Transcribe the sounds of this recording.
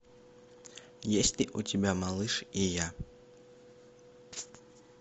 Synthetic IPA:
jesʲtʲlʲiʔutʲibʲamalˠɨʂija

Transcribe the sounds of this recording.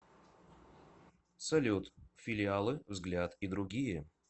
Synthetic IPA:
sɐlʲut̪fʲɪlʲɪalˠɨvzɡlʲat̪id̪ɾʊɡʲijə

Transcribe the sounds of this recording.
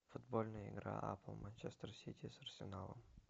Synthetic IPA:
fʊd̪bolʲnəjəɪ̰ɡɾa̰ʔapəlˠmɐnʲt͡ʃest̪rsʲitʲisɐrsʲɪnalˠə̰m

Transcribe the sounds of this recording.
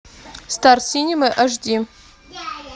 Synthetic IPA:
starsinʲimɐʔɐʐd̪ʲi

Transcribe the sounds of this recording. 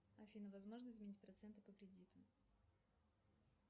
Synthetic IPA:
ɐfʲinəvɐzmo̞ʐnəɪzmʲnʲitʲpɾɐt̪sɛnt̪ɨpəkɾʲɪdʲit̪ʊ

